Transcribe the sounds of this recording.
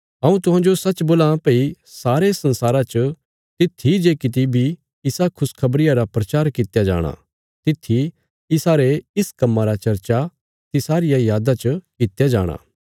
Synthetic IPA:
ɦɐũt̪̬ʊɦãːd͡ʒosɐt͡ʃboːlãpei | saːɾesɐ̃nsaːɾat͡ʃə | t̪ɪt̪ʰːid͡ʒeːkɪt̪̬ibʱi | ɪsakʰʊskʰɐbɾɪjaɾapɾɐt͡ʃaːɾkɪt̪jad͡ʒa̰ːɽ̃a̰ | t̪ɪt̪ʰːi | ɪsaːɾeɪskɐmːaɾat͡ʃɐɾt͡ʃa | t̪ɪsaːɾɪjajaːd̪at͡ʃəkɪt̪jad͡ʒa̰ːɽ̃a̰ː

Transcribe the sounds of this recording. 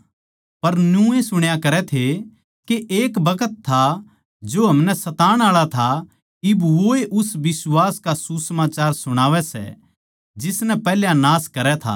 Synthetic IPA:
pɐɾnjũesʊɽ̃jakɐɾɛt̪ʰe | keʔeːkbɐkət̪ʰːa | d͡ʒoɦɐmnɛsɐt̪aːɽ̃aːɭat̪ʰa | ɪbʋoeʔʊsʋɪswaːskasusəmaːt͡ʃaːɾsʊɽ̃aːʋɛsɛ̰ | d͡ʒɪsnɛpɛɦljãnaːskɐɾɛt̪ʰa̰

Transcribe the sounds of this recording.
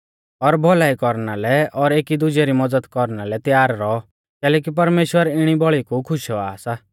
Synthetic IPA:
ɔɾbʱɔlaːikɔɾnalɛɔɾeːkid̪ʊd͡ʒɛɾimɐd͡zəd̪kɔɾnalɛt̪jaːɾɾɔɔ | kɛːlɛːk̬ip̬ɐɾmeːʃwəɾɪɽ̃ibɔɭikukʰʊʃɔaːsa

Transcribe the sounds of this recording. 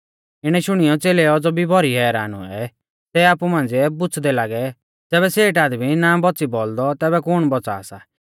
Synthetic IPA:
ɪɽ̃ɛʃʊɽ̃ijɔt͡seːleɔd͡zɔbʱibʱɔɾiɦɛːɾaːnṵɛ̰ | sɛaːpumãːn̆d͡ziɛbʊt͡sʰd̪ɛlaːɡɛ | d͡zɛːβɛseːʈaːd̪minaːbɔtːt͡sibɔld̪ɔt̪ɛːβɛkʊɽ̃bɔt͡sa̰ːsa

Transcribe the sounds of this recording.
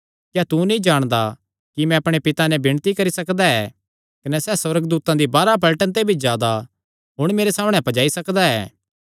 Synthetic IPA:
kjat̪unĩd͡ʒaːɽ̃d̪a | kimɛ̃ɐpɽ̃epɪt̪anɛ̃bɪɽ̃t̪ikɐɾisɐkd̪aɛː | kɐnɛsɛːsɐɾəɡd̪uːt̪ãd̪ibaːɾapɐlʈənt̪ebʱid͡ʒjaːd̪a | ɦʊɽ̃meːɾesaːməɽ̃ɛ̃pɐd͡ʒaːisɐkd̪aɛ̰ː

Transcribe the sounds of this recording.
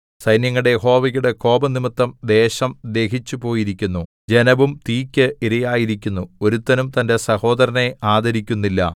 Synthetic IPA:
sɐjnjɐŋːɐɽe̞jeɦo̞ːʋɐjuɽe̞ko̞ːbɐnimit̪ːɐmd̪e̞ːɕɐmd̪e̞ːkit͡ɕːupo̞ːjiɾikʲːunːu | d͡ʑe̞nɐʋumt̪iːkʲːɨʔiɾɐjaːjiɾik̬ʲːunːuo̞ɾut̪ːɐnumt̪ɐnde̞sɐho̞ːd̪ɐɾɐne̞aːd̪ɐɾikʲːunːilːɐ̰

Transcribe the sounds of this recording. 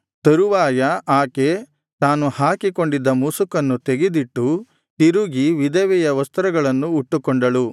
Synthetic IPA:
t̪ɐɾuʋaːjɐʔaːke̞ | t̪aːnuhaːkiko̞ɳɖid̪ːɐmusukɐnːut̪eɡed̪iʈːu | t̪iɾuɡiʋid̪ɐʋɛjɐʋɐst̪ɐɾɐɡɐɭɐnːuːʈːukoɳɖɐɭu

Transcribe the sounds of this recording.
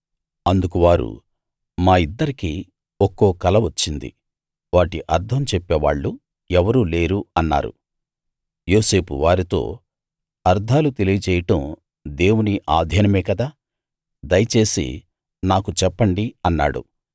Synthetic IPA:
ɐnd̪ukuʋaːɾṵ | maːid̪ːɐɾiki | okːoːkɐlɐʋɐt͡ʃːind̪ḭ | ʋaːʈiʔɐɾd̪ʱɐmt͡ʃɛpːeːʋa̰ːɭːu | ɛʋɐɾuːle̞ːɾuɐnːa̰ːɾṵ | jo̞ːse̞ːpṵʋaːɾit̪o̞̰ː | ɐɾd̪ʱaːlut̪e̞lijɐt͡ʃɛːjɐʈɐm | d̪e̞ːwuniʔaːd̪ʱɐnɐmɛːkɐd̪aː | d̪ɐjɐt͡ʃe̞ːsḭ | naːkut͡ʃɛpːɐɳɖiɐnːa̰ːɽṵ

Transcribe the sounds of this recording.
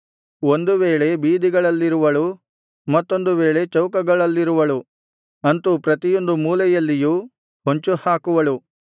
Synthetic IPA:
o̞nd̪uʋe̞ːɭe̞biːd̪iɡɐɭɐlːiɾuʋɐɭu | mɐt̪ːo̞nd̪uʋe̞ːɭe̞t͡ʃɐwkɐɡɐɭɐlːiɾuʋɐɭu | ɐnt̪upɾɐt̪ijo̞nd̪umuːlɛjɐlːiju | ɦoɲt͡ʃuhaːkuʋɐɭu

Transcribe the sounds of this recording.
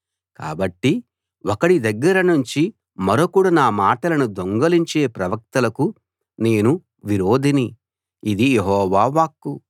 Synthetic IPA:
ka̰ːbɐʈːi | ɔkɐɽid̪ɐɡːɐɾɐnuɲt͡ʃi | mɐɾokuːɽɐnaːmaːʈɐlɐnud̪oŋɡɐliɲt͡ʃe̞ːpɾɐʋɐk̚t̪ɐlɐku | ne̞ːnu | ʋiɾoːd̪ʱiniː | d̪ijeɦɔːʋaːʋaːkːu

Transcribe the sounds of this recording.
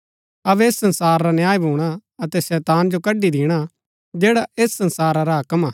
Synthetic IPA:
ɐʋeːsːɐ̃nsaːɾɾanjaːjbʱuːɽ̃aɐt̪ɛsɛːt̪aːnd͡ʒokɐɖid̪iːɽ̃a | d͡ʒɛːɽaeːssɐ̃nsaːɾaɾaɦɐkəmaː

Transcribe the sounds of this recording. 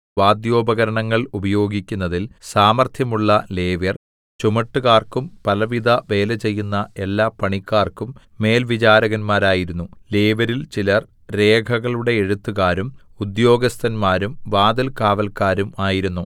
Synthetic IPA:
ʋaːd̪jo̞ːbɐɣɐɾɐɳɐŋːɐɭubɐjo̞ːɡikʲːunːɐðilsaːmɐrt̪ʰjɐmuɭːɐleːʋjɐr | t͡ɕumɐʈːuɣaːrkumpɐlɐʋid̪ʱɐʋe̞ːlɐt͡ɕe̞jːunːɐe̞lːaːpːɐɳikːaːrkumː | e̞ːlʋit͡ɕaːɾɐɣɐnmaːɾaːjiɾunːule̞ːʋɐɾilt͡ɕilɐr | ɾe̞ːkʰɐɣɐɭuɽe̞eɻut̪ːuɣaːɾumud̪jo̞ːɡɐst̪ʰɐnmaːɾumʋaːd̪ɐlkaːʋɐlkaːɾumaːjiɾunːu

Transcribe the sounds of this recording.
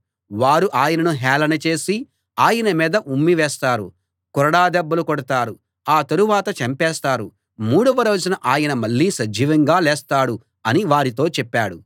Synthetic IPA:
ʋaːɾuʔaːjɐnɐnuɦɛːlɐnɐt͡ʃe̞ːsi | aːjɐnɐmiːd̪ɐʔumːiʋɛːst̪aːɾṵ | kɔɾɐɽaːd̪ɛbːɐlukɔɽɐt̪aːɾu | aːt̪ɐɾuʋaːt̪ɐt͡ʃɐmpɛːst̪aːɾu | muːɽɐʋɐɾo̞ːd͡ʒunɐʔaːjɐnɐmɐɭːiːsɐd͡ʒʱiːʋɐŋɡaːlɛːst̪aːɽu | ɐniʋaːɾit̪o̞ːt͡ʃɛpːaːɽu

